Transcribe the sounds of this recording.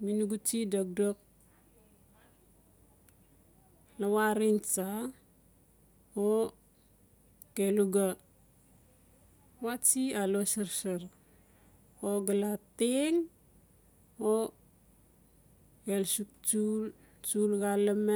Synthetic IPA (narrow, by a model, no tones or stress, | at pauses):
minuɡut͡ʃidak̚dok̚ | lawaɾint͡ʃa | o | keluɡa | wat͡ʃialosaɾsaɾ | oɡalateŋ | o | elsuk̚t͡ʃul | t͡ʃulɡalame